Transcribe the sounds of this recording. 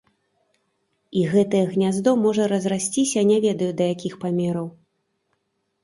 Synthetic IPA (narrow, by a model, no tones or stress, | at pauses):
iɣɛt̪ɐjɛɣnʲazd̪ɔmɔʐɐɾɐzrasʲt͡sʲisʲanʲɛvʲɛd̪ɐjud̪ɐjakʲixpamʲɛɾɐw